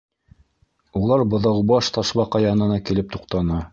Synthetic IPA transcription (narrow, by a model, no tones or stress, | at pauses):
ulˠɑɾbɤ̆ðɑwbɑʃt̪ɑʃβɑqɑjɑnɤ̆nɑkilɘp̚t̪uqt̪ɑnɑ